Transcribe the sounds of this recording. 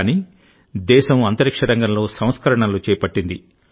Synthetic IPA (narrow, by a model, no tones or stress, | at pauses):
ni | d̪ɛːʃɐmɐnt̪ɐɾikʂɐɾɐŋɡɐmlo̞ːsɐ̃w̃skɐɾɐɳɐlut͡ʃɛːɐpɐʈːind̪i